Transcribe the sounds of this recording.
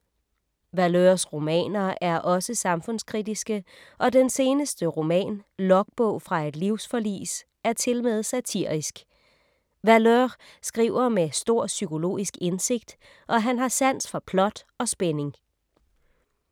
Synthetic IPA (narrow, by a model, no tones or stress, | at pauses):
ʋæløɐsʁo̝mɛ̰ːnɐʔæɐʔɒ̽səsɑ̈mfɔ̽n̰skʰʁidisɡ̥ə | ʔɒ̽d̥ense̝ːnəsd̥əʁo̝mɛ̰ːnlɒ̽ɡ̥̚b̥ɔ̽ʊ̰fʁɑ̈e̝d̥liʊ̰sfɒlḭːs | æɐt͡sʰe̝lmɛð̩ˠsæt͡sʰiɐ̰isɡ̥ | ʋæløsɡ̥ʁḭʊɐmesd̥o̝ɐ̰sykʰo̝lo̝̰ːisɡ̥ense̝ɡ̥̚d̥ | ʔɒ̽ɦænɦɑ̈sæn̰sfɒpʰlɒ̽d̥ | ɒ̽sb̥ene̝ŋ